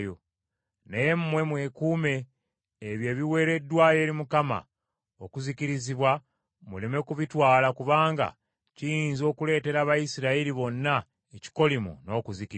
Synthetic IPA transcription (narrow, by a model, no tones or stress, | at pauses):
jo | nejemumwe̞mwe̞ːkuːme̞ː | βje̞ːβiwe̞ːɾe̞dːwaːje̞ːɾimukama̰ | okuziciɾiziβwa | muleme̞kuβitwaːlakuβaːŋɡa̰ | cijiːnzo̞ːkule̞ːte̞ɾaːβajisiɾailiβo̞nːa | eci̥ko̞limṵno̞kuziki